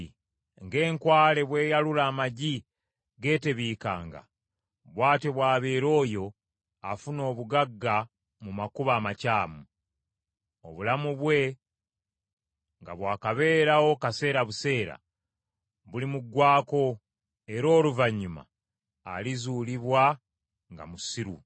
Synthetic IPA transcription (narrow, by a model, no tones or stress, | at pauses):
ŋɡe̞ːŋkwaːle̞βwe̞ːjalulaːmaɟi | ɡe̞ːte̞βiːka̰ːŋɡa̰ | βwaːte̞βwaːβe̞ːɾo̞ːjo̞ | afuno̞ːβuɡaɡːa | mumakuβaːmacaːmu | o̞̰βulamuβwe̞ | ŋɡa̰βwaːkaβe̞ːɾawo̞kase̞ːɾaβuse̞ːɾa̰ | βulimuɡːwaːko̞ | e̞ɾo̞ːluvaɲːuma̰ː | lizuːliβwa | ŋɡa̰musiɾṵ